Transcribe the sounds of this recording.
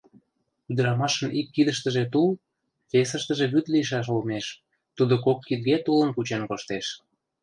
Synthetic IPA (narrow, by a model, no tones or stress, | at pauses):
yd̪əɾɑmɑʃə̆nʔikːid̪əʃt̪əʒet̪ul | fesəʃt̪əʒeβyt̪liəʃ̬ɑʃ̬olmeʃ | t̪ud̪okokːid̪ɡet̪ulənkut͡ɕenkoʃt̪eʃ